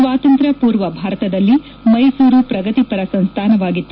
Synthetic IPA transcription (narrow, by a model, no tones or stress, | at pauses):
ʋaːt̪ɐnt̪ɾɐpuːɾʋɐbʱaːɾɐt̪ɐd̪ɐlːi | mɐjsuːɾupɾɐɡɐt̪ipɐɾɐsɐñst̪ʰaːnɐʋaːɡit̪ːu